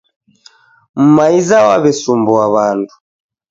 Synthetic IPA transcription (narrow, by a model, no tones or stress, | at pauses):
m̩maizawaβɛsumbɔaβandu̥